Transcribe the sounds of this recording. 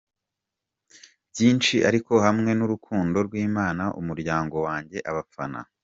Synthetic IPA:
bjiːnt͡ʃiʔaɾiko̞hamŋe̞nuɾukʰuːndo̞ɾɡwiːmaːnaʔṵmuɾɟaːŋɡo̞waːɲɟe̞ʔaβap͡fa̰na̰

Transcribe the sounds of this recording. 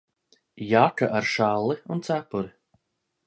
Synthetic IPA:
jakaʔaɾʃalˠːiunt̪sapʊɾi

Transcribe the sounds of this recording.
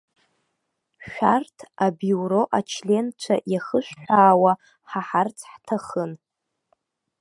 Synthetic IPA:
ʃʷᶣartʰabjuɾoʔat͡ʃʰlʲe̞nt͡ʃʷʰa̰ʔjaχəʃʷᶣħʷᶣaːwa | ħaħart͡sʰħtʰaχən

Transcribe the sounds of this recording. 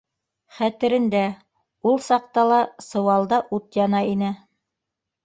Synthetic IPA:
χæt̪ɘ̆ɾɘ̆nd̪æ | ulˠsɑq̚t̪ɑlˠɑsɤ̆wɑlˠd̪ɑʔut̪jɑnɑinɘ

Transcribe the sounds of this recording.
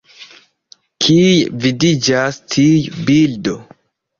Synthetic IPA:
kʰijvidid͡ʒastʰiujbildo

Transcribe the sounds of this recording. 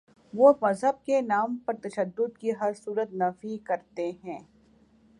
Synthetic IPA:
ʋomɐzɦəb̚kenaːmpɐɾt̪ɐʃəd̪ːʊd̪kiɦɐɾsuːɾət̪̚nɐfikɐɾt̪eɦɛ̃ː

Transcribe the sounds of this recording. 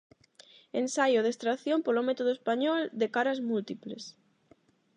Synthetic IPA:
ensajoðest̪ɾaθjompolomet̪oðoespaɲɔld̪ekaɾazmult̪iples

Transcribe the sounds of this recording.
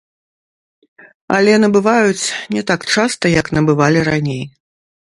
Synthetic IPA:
ɐ̰lʲɛnɐbɨvajut͡sʲnʲɛt̪akt͡ʂast̪ɐjɐknɐbɨvalʲiɾanʲej

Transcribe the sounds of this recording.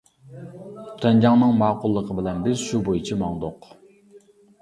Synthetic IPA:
t̪ʰɛnd͡ʒɑŋnɨŋmɑːqʊlˠːəqʰəbɪlɛnbɪzʃubojit͡ʃʰimɑŋd̪oq

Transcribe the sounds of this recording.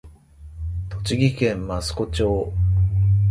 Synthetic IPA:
t̪o̞t͡ɕiɡʲikẽ̞mmasɨ̥ko̞t͡ɕoː

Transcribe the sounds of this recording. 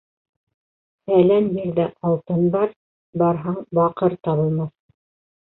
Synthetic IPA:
θælænjiɾðæʔɑlˠt̪ɤnbɑɾ | bɑɾɦɑɴbɑqɤɾt̪ɑβɤ̆lˠmɑθ

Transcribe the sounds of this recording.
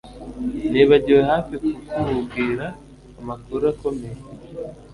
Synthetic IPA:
neβaɟiwehaːfikukuɾuɡiːɾaː | makuɾakome

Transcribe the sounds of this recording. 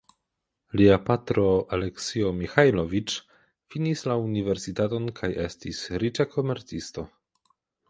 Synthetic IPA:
liapatɾo̞ale̞ksio̞mixajlovit͡ʃ | finislaunive̞ɾsitato̞nkʰaje̞stisɾit͡ʃakʰo̞me̞ɾt͡sisto̞

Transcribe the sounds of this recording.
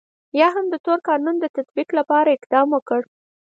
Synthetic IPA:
jɑɦamd̪ət̪oɾkɑnund̪ət̪at̪biqlapɑɾaɪqd̪ɑmwokəɽ

